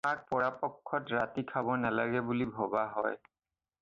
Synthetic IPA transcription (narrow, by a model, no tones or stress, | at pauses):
ak̚pɔɹapɔkʰːɔtɹatikʰabɔnalaɡɛbulibʱɔbaɦɔj